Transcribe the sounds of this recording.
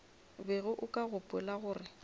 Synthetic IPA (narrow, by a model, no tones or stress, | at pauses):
beɣʊʔʊkʼaɣʊpʼɛlaɣʊːrɪ